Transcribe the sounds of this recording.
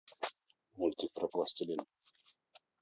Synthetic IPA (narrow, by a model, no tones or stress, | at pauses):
mulʲt̪ʲik̚pɾɐplˠasʲt̪ʲilʲin